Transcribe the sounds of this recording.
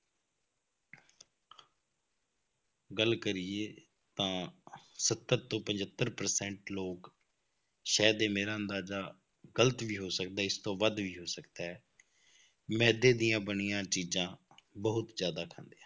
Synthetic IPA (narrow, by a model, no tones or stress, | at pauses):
ɡəlkəɾɪeː | t̪ãːsət̪ːəɾt̪õːpə̃ɲd͡ʒət̪ːəɾpəɾsɛ̃ːɳʈloːk | ʃɛːd̪eːmeːɾaːənd̪aːzaː | ɡələt̪ʋiːɦoːsək̚d̪aːɪst̪õːʋəd̪ʋiːɦoːsəkd̪aːɦɛː | mɛ̃ːd̪eːd̪ɪjãːbənɪjãːt͡ʃiːzãː | bəɦʊt̪zjaːd̪aːkʰə̃nd̪eːãː